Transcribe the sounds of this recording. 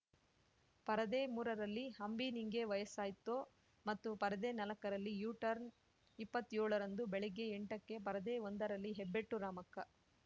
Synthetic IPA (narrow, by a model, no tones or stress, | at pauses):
pɐɾɐd̪eːmuːɾɐɾɐlːihɐmbiniŋɡe̞ʋɐjɐsaːjt̪ːoː | mɐt̪ːupɐɾɐd̪e̞ːnɐlɐkɐɾɐlːijuːʈɐɾn | ipːɐt̪ːjoːɭɐɾɐnd̪ubeɭeɡːeeɳʈɐkːe̞pɐɾɐd̪eːond̪ɐɾɐlːiɦebːeʈːuɾaːmɐkːɐ